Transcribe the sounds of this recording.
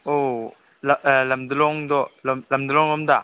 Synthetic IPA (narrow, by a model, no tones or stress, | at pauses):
o | llɐmd̪ulɔŋdɔlmlɐmd̪ulɔŋlɐmda